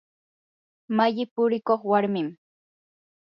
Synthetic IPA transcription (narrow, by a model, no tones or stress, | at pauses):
maʎɪpʊɾɪkoχwaɾmɪm